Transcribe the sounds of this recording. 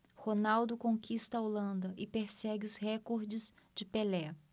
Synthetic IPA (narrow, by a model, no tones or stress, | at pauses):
honawd̪ʊkõkʰist̪ɐolɐ̃nd̪ɐʔɪpeɾsɛɡɪʊshɛkoɾd͡ʒɪz | d͡ʒɪpelɛ